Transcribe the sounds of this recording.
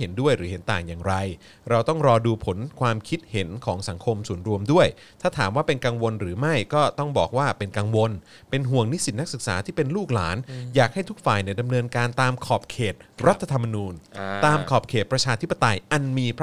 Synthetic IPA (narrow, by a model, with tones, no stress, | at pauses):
he˩˦ndu˥˩əjɾɯː˩˦ɦe˩˦nt̪aː˨˩ŋjaː˨˩ŋɾa˧j | ɾa˧wt̪ɔ˥˩ŋɾɔː˧duː˧pʰo˨˩˦nkʰwaː˧mkʰi˦˥t̪̚he˩˦nkʰɔː˩˦ŋsa˩˦ŋkʰo˧msu˨˩ənɾu˧əmdu˥˩əj | t̪ʰaː˥˩t̪ʰaː˩˦mwaː˥˩pe˧nka˧ŋwo˧nɾɯː˩˦ma˥˩jkɔː˥˩t̪ɔ˥˩ŋbɔ̰ː˨˩k̚waː˥˩pe˧nka˧ŋwo˧n | pe˧nɦu˨˩əŋni˦˥si˨˩t̪̚na˦˥k̚sɯ˨˩k̚sa̰ː˩˦t̪ʰiː˥˩pe˧nluː˥˩k̚la̰ː˩˦njaː˨˩k̚ha˥˩jt̪ʰu˦˥k̚faː˨˩jna˧˩da˧mnɤː˧nkaː˧nt̪aː˧mkʰɔː˨˩p̚kʰeː˨˩t̪̚ɾa˦˥t̪ʰːa˧t̪ʰa˧mːa˧nuː˧nt̪aː˧mkʰɔː˨˩p̚kʰeː˨˩t̪̚pɾa˧t͡ɕʰaː˧t̪ʰi˦˥pːa˧t̪a˧jʔa˧nmiː˧pʰ